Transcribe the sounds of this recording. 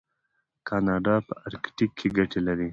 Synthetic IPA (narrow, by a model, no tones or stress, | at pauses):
kʰɑnɑːɖɑpəaɾkʈikʰːeɡɐʈelɐɾi